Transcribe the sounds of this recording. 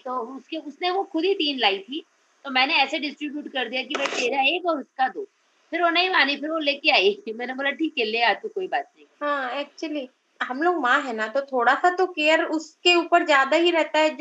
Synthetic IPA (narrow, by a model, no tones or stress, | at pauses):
t̪oːʊskeʊsneʋoxʊd̪ʱit̪iːnlaːit̪ʰiː | t̪omɛ̃ːneɛːseɖɪsʈɾɪubjuːʈkɐɾd̪ijak̬imɛːt̪eːɾeeːkɔːʊskad̪oː | pʰɪɾʋonɐɦĩmaːnipʰɪɾʋoleːkeaːimɛ̃ːnebɐlaʈʰiːkɦɛleːaːd͡ʒkokoːibaːt̪̚nɐɦĩɦãːɛːk̚t͡ʃuəli | ɦɐmloːɡmãːɦɛnat̪ot̪ʰoːɽasat̪okeːəɾʊskeuːpəɾzjaːd̪aɦiɾɛɦt̪aɦɛ